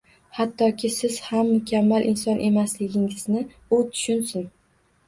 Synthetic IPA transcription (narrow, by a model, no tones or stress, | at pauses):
hat̪ʰːɒkʲʰɪsɪz̥hamːʊkʲamːalʔɪnsɒnʔe̞maslɪɡʲɪŋɪznɪ | ʊt̪ʰʊ̥ʃʊnsɪn